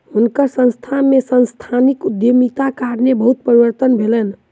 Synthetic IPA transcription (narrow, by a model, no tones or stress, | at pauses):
ɦunkəɾsə̃nst̪ʰamesənst̪ʰanikud̪jomit̪akaɾnebəɦut̪̚pəɾiwəɾt̪ənbʱelən